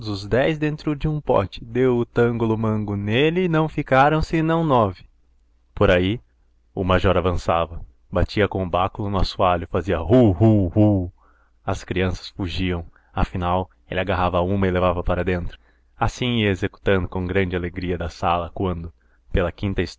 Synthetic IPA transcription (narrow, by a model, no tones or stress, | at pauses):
d̪ʊzʊzd̪ɛjzd̪ẽnt̪ɾʊd͡ʒɪũpɔ̰t͡ʃɪ̥d̪ewʊt̪ɐ̃ŋɡʊlʊmɐ̃ŋɡʊnelɪːnɐ̃w̃fikaɾɐ̃w̃sɪnɐ̃w̃nɔvɪ̥ | poɾai | ʊmaʒɔɾavɐ̃savɐ | bat͡ʃiɐkõʊbakʊlʊnʊasualʊfaziɐɦuhuhu | ɐskɾiɐ̃sɐ̥sfuʒiɐ̃w̃ | ɐfinaw | elɪaɡaɦavɐaũmɐɪlevavɐpaɾɐd̪ẽnt̪ɾʊ̥ | asĩɪezeku̥t̪ɐ̃nd̪ʊkõɡɾɐ̃nd͡ʒɪaleɡɾiɐd̪ɐsalɐkwɐ̃nd̪ʊ | pelɐkĩnt̪ɐis